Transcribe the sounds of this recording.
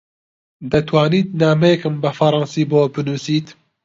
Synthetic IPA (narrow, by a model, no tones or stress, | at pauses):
d̪ɐt̪ʰwaːniːt̪̚naːmɛjɛkɨmbɨfɐɾˤɑːnsiːboːbɨnuːsiːt̪